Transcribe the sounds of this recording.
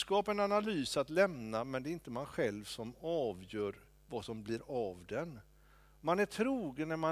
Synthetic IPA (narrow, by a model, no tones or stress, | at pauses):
kɑːpɛnanalyːsat̪lɛmnamɛnd̪ɛɪnt̪əmanɧɛlvsɔmɑːvjœːɾ | vasɔmblɪɾavd̪ɛn | manæʈʰɾuːɡənːæɾma